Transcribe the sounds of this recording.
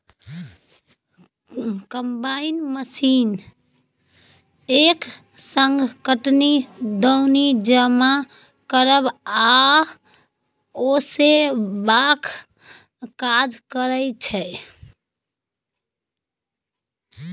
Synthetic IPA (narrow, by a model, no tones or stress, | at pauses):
kəmbainməsin | ek | səŋɡkəʈnid̪əwnid͡ʒəma | kəɾəba | osebakʰ | kad͡ʒkəɾət͡ʃʰɛ